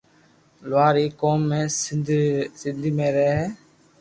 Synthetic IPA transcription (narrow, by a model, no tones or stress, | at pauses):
lʋaːɾiːkoːmːẽːs | sɪnd̪ʱiːmẽːɾəɦeːɦɛː